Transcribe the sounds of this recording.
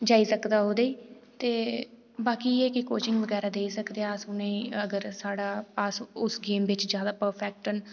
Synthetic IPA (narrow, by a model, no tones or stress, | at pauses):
d͡ʒaːiːsəkd̪aːɦoːd̪eiːt̪eː | baːkiːeːkɪkoːt͡ʃɪŋɡʋəɡɛːɾaːd̪eːiːsəkd̪eaːəsʊneĩːəɡəɾsaːɽaːpaːsʊsɡeːmʋɪt͡ʃd͡ʒjaːd̪aːpəɾpʰɛːk̚ʈən